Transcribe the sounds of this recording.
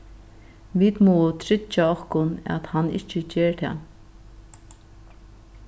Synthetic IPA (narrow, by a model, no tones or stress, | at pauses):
viːt̪mɔʊt̪ʰɾɪt͡ʃaɔhkʊnɛ̰t̪hanːɪ̰ht͡ʃət͡ʃeːɹt̪ʰa̰n